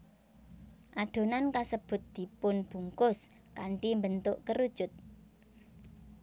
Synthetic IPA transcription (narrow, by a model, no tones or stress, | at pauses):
ʔaɖ̥o̤nankasəb̥ʊ̤t̪̚d̪̥i̤pʊnb̥ṳŋkʊs | kaɳʈimbənt̪ʊʔkəɾud̥ʒ̥ʊ̤t̪̚